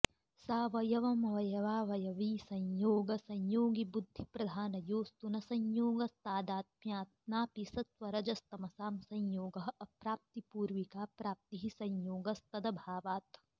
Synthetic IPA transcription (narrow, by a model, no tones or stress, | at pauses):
saːʋɐjɐʋɐmɐʋɐjɐʋaːʋɐjɐʋiːsɐɲjoːɡɐsɐɲjoːɡibud̪ʱːipɾɐd̪ʱaːnɐjoːst̪unɐsɐɲjoːɡɐst̪aːd̪aːt̪̚mjaːt̪naːpisɐt̪ʋɐɾɐd͡ʒɐst̪ɐmɐsaːmsɐɲjoːɡɐɦɐɐpɾaːp̚t̪ipuːɾʋikaːpɾaːp̚t̪iɦisɐɲjoːɡɐst̪ɐd̪ɐbʱaːʋaːt̪